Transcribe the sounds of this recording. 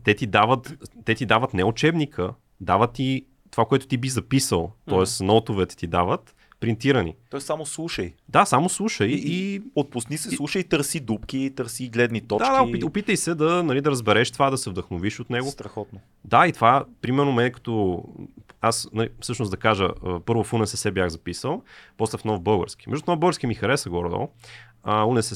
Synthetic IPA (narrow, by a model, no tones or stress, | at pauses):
t̪ɛt̪id̪avət̪ːɛt̪id̪avət̪nɛʊt͡ʃɛbnikʰə | d̪avət̪ːi | t̪ovakoɛt̪ʊ̥t̪ibizɐpisəlˠt̪ɔɛsnɔt̪ovɛt̪ɛ̥t̪id̪avət̪ | pɾint̪iɾənḭɔɛssamoslˠuʃəjd̪asamoslˠuʃəjiot̪̚pʊsnisɛslˠuʃəjt̪əɾsid̪up̚kit̪əɾsiɡlɛd̪nit̪ɔd̪ad̪kaoipiopit̪əjsɛd̪ɐnɐlid̪ɐɾəzbɛɾɛʃt̪ovad̪ɐsɛvd̪ɐxnoviʃot̪nɛɡot̪ɾɐxɔt̪no | d̪ait̪ovapɾimɛɾnomɛnɛkɐ̥t̪ɔ | asnɐlifsɤʃnosd̪ɐkaʒə̰əpɤɾvʊfunɛsɛsɛbjaɣzɐpisəlˠpɔst̪ɛfnɔvbɤlˠɡə̰ɾsk̟ʲi̥mɛ̰ʒd̪ʊnɔvbəlˠɡəɾskʲimixɐɾɛsəɡɔɾd̪ɔ̰lˠ | əunɛsɛ